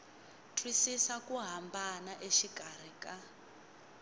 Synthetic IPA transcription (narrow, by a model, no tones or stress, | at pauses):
tʰwisisakuɦambanaʔeʃikar̤ika